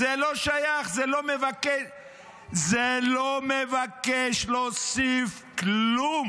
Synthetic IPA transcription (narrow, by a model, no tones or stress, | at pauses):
eloʃajaχzelomevakeʃ | zelomevakeʃlosif | kllum